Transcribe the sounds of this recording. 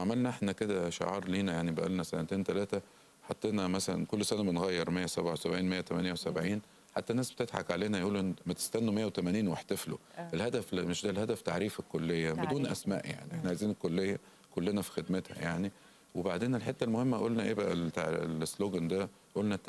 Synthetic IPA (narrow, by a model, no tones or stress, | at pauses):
ʕamælnæʔeħnæked̪æʃḛʕɑːɾˤliːnæjaʕnibæʔæ̰lnæsæ̰næt̪eːnt̪ælæːt̪æ | ħɑt̪ˤːeːnæmæsælæ̰nkolːsænæbenɣæjːeɾˤmejːæsæbʕawesæbʕiːnmejːæt̪æmænjæwesæbʕiːn | ħa̰t̪ːænːæːsbet̪et̪ħa̰kʕaleːnæjʔuːlʔenːmæt̪e̥st̪ænːumejːæwet̪æmæniːnweħt̪æflo̰ʔelhæd̪æflmeʃd̪ælhæd̪æft̪aʕɾiːfekːolːejːæbed̪uːnʔæsmæ̰ːʔja̰ʕniʔeħnæʕajziːnkolːejːæ | kolːenæfi̥xed̪met̪hæ̰jaʕni | webaʕd̪eːnelħet̪ːælmohemːæʔolnæʔeːbæʔælt̪lesːloːɡænd̪æ | ʔolnæ